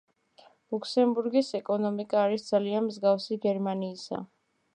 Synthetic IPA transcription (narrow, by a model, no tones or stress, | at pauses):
lukʰsɛmbuɾɡisɛkʼɔnɔmikʼaːɾisd̪zalianmzɡafsiɡɛɾmaniːsa̰